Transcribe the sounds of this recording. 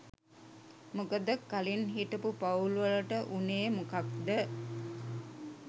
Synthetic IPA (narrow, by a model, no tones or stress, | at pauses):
mukəd̪əkalinɦiʈəpupauluʋələʈəʔuneːmukak̚d̪ə